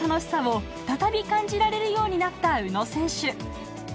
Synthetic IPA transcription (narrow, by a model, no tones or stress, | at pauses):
ano̞ɕi̥saβo̥ | t̪at̪abʲikãɲ̟d͡ʑiɾaɾe̞ɾɯ̟jo̞ːɲ̟inat̪ːaɯ̟no̞sẽ̞ɰ̃ɕɨ